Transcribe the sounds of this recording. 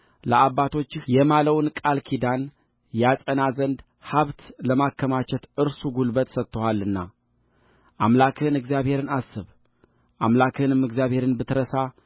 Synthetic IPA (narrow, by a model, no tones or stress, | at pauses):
ləʔaβːat̪ʰo̞t͡ʃːɪhjɛmaləwnkʼalkʰid̪an | jasʼənazənd̪ | haβt̪ləmakʰːəmat͡ʃɛt̪ɨɾsuɡulbət̪sət̪ːəhalːɨnːa̰ | ʔamlakʰɨɨnɨɡzijaβhe̞ɾɨnasːɨβ | ʔamlakʰɨɨnɨmɨɡzijaβhe̞ɾɨnbɨt̪ɾəsa